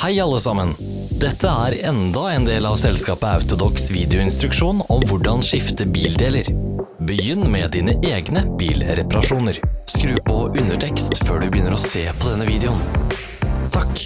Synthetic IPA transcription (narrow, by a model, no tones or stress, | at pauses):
hæɪɑlːəsɑmən | d̪ɛt̪ʰːəæːɾɛnd̪ɑɛːnd̪eːlɑːʋsɛlskɑːpəɑ̰ʉt̪ʊd̪ɔksʋiːd̪ɛʊɪnst̪ɾʉkʂuːnɔmʋʊɖɑnʂɪft̪əbiːld̪eːləɾbəjʏnːmɛd̪iːnəʔeːɡnəb̥ḭːlɾɛpɑɾɑʂuːnəɾskɾʉːpʰɔʉnəʈʰɛkst̪føːɖʉbəjʏnːəɾɔseːpʰɔd̪ɛnːəʋiːd̪ɛʊn | t̪ʰɑk